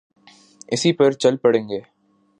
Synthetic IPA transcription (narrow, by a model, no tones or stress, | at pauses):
ɪsipɐɾt͡ʃɐlpɐɽẽːŋɡeː